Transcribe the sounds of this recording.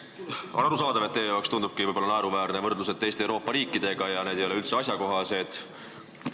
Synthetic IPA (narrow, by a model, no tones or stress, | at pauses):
ɑɾusɑːd̪ɑvet̪ːeːjolekst̪und̪ub̥̚kivɤjbo̞lːɑnæeɾuvæːɾnevɤrd̪luset̪ːe̞jst̪ewɾo̞ːpːˑɑɾiːkːˑid̪̥e̞ɡ̥ɑjɑne̞ːd̪e̞jo̞le̞ylt̪se̞ɑs̬ʲjɑko̞ɦɑse̞d̪̥